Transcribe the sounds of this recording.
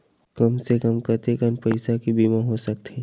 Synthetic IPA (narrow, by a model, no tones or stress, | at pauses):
kəmsekəmkəɾt̪ekənpɐɪsakibʱiːmãɦosək̚t̪ʰeː